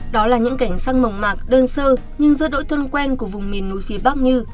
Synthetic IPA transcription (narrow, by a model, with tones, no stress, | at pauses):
ɗɔ˨˦laː˨˩ɲɨ̰˧˥ŋka˧˩jŋ̟saː˧ŋmə˨˩wŋ͡mmaː˨˩k̚ɗəː˧nsəː˧ | ɲɨ˧ŋzɨ̰˧˥ɗo̰˧˥jt̪ʰə˧nkwɛ˧nku˧˩əvʊ˨˩ŋ͡mmi˨˩ənːu˨˦jfi˨˦ɓa˦˥k̚ɲɨ˧